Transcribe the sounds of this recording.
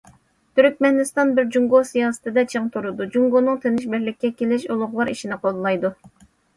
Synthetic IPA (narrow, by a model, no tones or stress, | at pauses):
t̪ʰyɾkʲmɛnɪst̪ɑnbɪɾd͡ʒuŋɡosijɑːsɨ̥t̪ʰɨd̪ɛt͡ʃʰeŋt̪ʰuɾud̪ud͡ʒuŋɡonɨŋt̪ʰenɪʃ̬bɪɾlɪkʲːɛkʲelɪʃolˠʊʁlˠɑɾḭʃinɪqʰolˠlːˠɑjd̪u